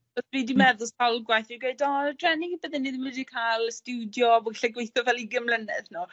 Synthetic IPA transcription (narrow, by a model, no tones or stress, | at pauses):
ɔsviːdimɛðʊskʰalˠɡwajθiɡweɨdɔdrɛnibəðɛnːiðmɨdikʰalˠstuwdjɔbɔɡɬaɡwejθɔvɛlˠiɡɪmlənɨθnu